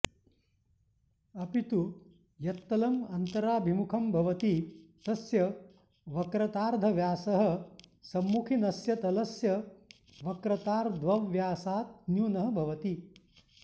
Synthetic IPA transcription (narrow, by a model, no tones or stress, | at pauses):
ɐpit̪u | jɐt̪ːɐlɐmɐnt̪ɐɾaːbʱimukʰɐmbʱɐʋɐt̪it̪ɐsjɐ | ʋɐkɾɐt̪aːɾd̪ʱɐʋjaːsɐɦɐ̆sɐmːukʰinɐsjɐt̪ɐlɐsjɐ | ʋɐkɾɐt̪aːɾd̪ʱʋɐʋjaːsaːt̪̚njuːnɐɦɐ̆bʱɐʋɐt̪i